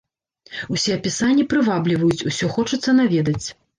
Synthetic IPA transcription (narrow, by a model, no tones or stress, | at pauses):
usʲɛɐpʲisanʲːɛpɾɨvablʲivɐjut͡sʲusʲɔxɔt͡ʂɐt̪sɐnavʲed̪ɐt͡sʲ